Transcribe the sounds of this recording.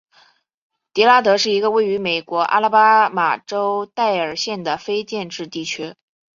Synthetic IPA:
t̪jɛ˧˥la˥t̪ɤ˧˥ʂɻ̩˥˩i˧˥ɡə˧we˥˩ɪy˧˥me˨˩ɪkwɔ˧˥ʔa̰˥la˥pa˥ma˨˩ʈ͡ʂo˥ʊt̪a˥˩ɪə˞˨˩ɕjɛ˥˩nd̪ə˩fe˥ɪt͡ɕjɛ˥˧nʈ͡ʂɻ̩˥˧t̪i˥˩t͡ɕʰɥɛ˥

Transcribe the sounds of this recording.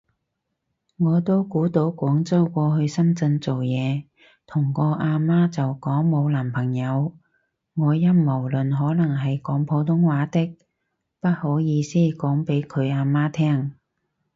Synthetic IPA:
ŋɔː˨˧t̪o˥wkuː˨˥t̪o˨˥wkʷɔː˨˥ŋt͡sɐ˥wkʷɔː˧ɦɵ˧ɥsɐ˥mt͡sɐ˧ŋt͡so˨wjɛː˨˧ | t̪ʰʊ˨˩ŋkɔː˧ʔaː˧maː˥t͡sɐ˨wkɔː˨˥ŋmo˨˧wlaː˨˩mpʰɐ˨˩ŋjɐ˨˧w | ŋɔː˨˧jɐ˥nmo˨˩wlɵ˨nɦɔː˨˥lɐ˨˩ŋɦɐ˨jkɔː˨˥ŋpʰo˨˧wt̪ʰʊ˥ŋwaː˨˥t̪ɪ˥k̚ | pɐ˥t̚ho˨˥wjiː˨˧siː˥˩kɔː˨˥ŋpe˨˥jkʰɵ˨˧ɥaː˧maː˥t̪ʰɛː˥ŋ

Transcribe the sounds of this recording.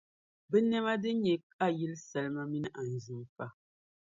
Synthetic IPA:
bɛ˦nɛ˦ma˦dɨ˦ɲɛ˨ka˦ji˦lsa˨lma˦mi˦nɨ˦ʔa˨n̩˨zu˦mfa˦

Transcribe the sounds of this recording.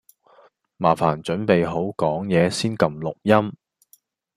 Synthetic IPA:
maː˨˩fa̰ː˨˩nt͡ʃɵ˨˥npe˨jɦo˨˥wkɔː˨˥ŋjɛː˨˧siː˥nkɐ˨mlʊ˨k̚jɐ˥m

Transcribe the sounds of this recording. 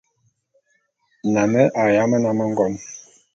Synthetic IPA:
na˨mɛ˦ʔa˨ja˦mə˦na˨mə˦ŋ˦ɡɔ˦m

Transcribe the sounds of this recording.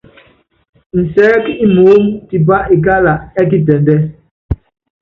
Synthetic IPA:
n̩˨sɛː˦ki˦mo˨˦ŋti˨ba˦ʔi˨ka˦la˨ʔɛ˦k̬i˦tɛ˨ndɛ˦

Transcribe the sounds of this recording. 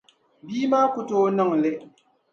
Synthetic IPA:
biː˦maː˦kʊ˦to˦nɨ˦ŋ˨lɨ˦

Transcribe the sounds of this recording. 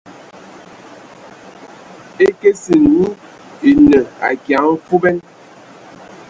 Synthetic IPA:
e˦ke˦si˨nu˦ | i˨nə˨a̰˨kja˨˦ŋ˦fu˦bɛ˦n

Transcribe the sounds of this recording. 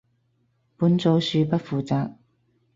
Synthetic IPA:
puː˨˥nt͡so˨˧wsyː˧pɐ˥t̚fuː˨t͡saː˧k̚

